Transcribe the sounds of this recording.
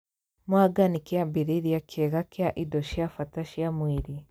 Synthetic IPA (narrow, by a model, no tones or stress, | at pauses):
mwaɡanikeabeɾeɾjakʰɛɣakeaʔidɔʃjafataʃjamweɾi